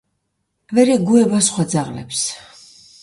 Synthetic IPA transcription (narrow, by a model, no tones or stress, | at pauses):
vɛɾɛɡuɛbasχwad̪zaʁlɛ̰ps